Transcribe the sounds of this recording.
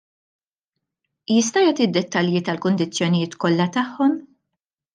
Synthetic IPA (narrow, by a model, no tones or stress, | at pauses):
jɪs̬t̪ɐjɐːt̪ɪd̪ːɛt̪ːɐljit̪ɐlkʊnd̪ɪt͡sːjɔnɪjɪːt̪kɔlːɐt̪ɐħːɔm